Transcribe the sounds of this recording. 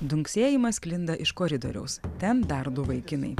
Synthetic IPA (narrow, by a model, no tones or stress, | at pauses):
d̪ʊŋʲksʲeːjɪmɐskʲlʲɪnd̪ɐʔɪʃkɔːɾʲɪd̪o̰ɾʲɛ̰ʊst̪ʲɛnpʲæɾd̪uːʋɐɪkʲɪnɐ̰ɪ